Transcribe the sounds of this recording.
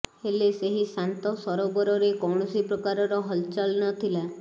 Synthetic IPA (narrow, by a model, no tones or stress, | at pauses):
heleseɦisant̪ɔsɔɾobɔɾɔɾekɔwɳ̃ɔsipɾɔkaɾɔɾɔɦɔlt͡ʃalnɔt̪ʰila